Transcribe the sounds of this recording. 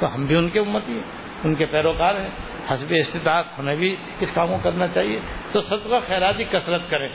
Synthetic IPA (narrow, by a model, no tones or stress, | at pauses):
t̪oɦɐ̃mbʱiʊnkeʊmːət̪iɛ | ʊnkepɛːɾoːkaːɾɦɛ̃ː | hɐsbeɪst̪ɪt̪aːt̪hɐmebʱi | kɪskãːmkokɐɾnat͡ʃaːɦie | t̪osɐd̪qaxɛːɾaːt̪ikɐsɾət̪kɐɾẽː